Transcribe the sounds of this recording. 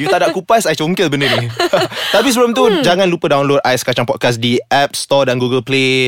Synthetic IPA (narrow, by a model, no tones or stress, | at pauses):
jut̪adaʔ̚kupasajt͡ʃŋkɪlbəndənit̪ap̬is̬əbəlmt̪̬ud͡ʒaŋãnlupədawnlod̚ajɛskat͡ʃaŋpɔt̚kas̬diʔɛp̚st̪ɔdanɡuɡəlple